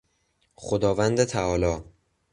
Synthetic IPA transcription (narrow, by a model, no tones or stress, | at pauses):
χod̪ɒːvænd̪et̪ʰæɒːlɒː